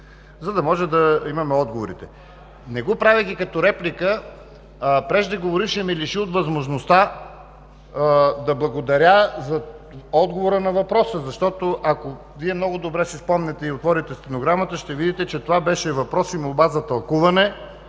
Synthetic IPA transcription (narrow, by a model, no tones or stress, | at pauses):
zɐd̪ɐmɔʒɛd̪ɐimɐmɛɔd̪̚ɡovoɾḭt̪ɛ | nɛɡɔpɾavɛɡ̪ʲikɐt̪ɔɾɛplikə | pɾɛʒd̪ɐɡovoɾiʃɛmiliʃiot̪vɐzmoʒnost̪a | d̪ɐblˠɐɡod̪ɐɾʲazɐɔd̪ɡovoɾənɐvɐpɾɔsəzɐʃt̪ɔt̪oʔɐko | viɛmnɔɡʊd̪obɾɛsispɔmnɛt̪ɛiot̪vɔɾit̪ɛst̪ɛnoɡɾamət̪əʃt̪ɛvid̪it̪ɛt͡ʃɛt̪ovabɛʃɛvɐpɾɔsimolˠbazɐt̪ɐlˠkuvɐnɛ